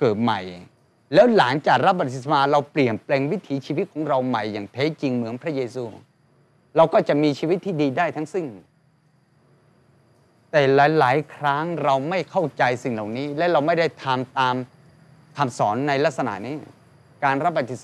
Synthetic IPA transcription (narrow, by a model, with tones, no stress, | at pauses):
kɤː˨˩t̪̚ma˨˩j | lɛː˦˥wlaː˩˦ŋt͡ɕaː˨˩k̚ɾa˦˥p̚ba˨t̪ʰːi˨˩sa˧maː˧ɾa˧wpli˨˩ənpleː˧ŋwi˦˥t̪ʰiː˩˦t͡ɕʰiː˧wi˦˥t̪̚kʰɔː˩˦ŋɾa˧wma˨˩jːaː˨˩ŋt̪ʰeː˦˥t͡ɕi˧ŋmɯ˩˦ənpʰɾa˦˥jeː˧suː˧ | ɾa˧wkɔː˥˩t͡ɕa˨˩miː˧t͡ɕʰiː˧wt̪ʰːiː˥˩diː˧daː˥˩jt̪ʰa˦˥ŋsi˥˩ŋ | t̪ɛː˨˩laː˨˩˦jlaː˩˦jkʰɾa˦˥ŋɾa˧wma˥˩jkʰa˥˩wt͡ɕa˧jsi˨˩ŋla˨˩wniː˦˥lɛ˦˥wɾa˧wma˥˩jda˥˩jt̪ʰa˧mt̪aː˧m | t̪ʰa˧msɔː˩˦nːa˧jla˦˥k̚sa˧na̰˨˩ʔniː˦˥ | kaː˧nɾa˦˥p̚ba˧t̪ʰːi˨˩s